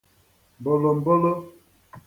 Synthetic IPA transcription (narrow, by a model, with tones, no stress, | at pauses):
m˨bo˨lo˨m̩˨bo˦lo˦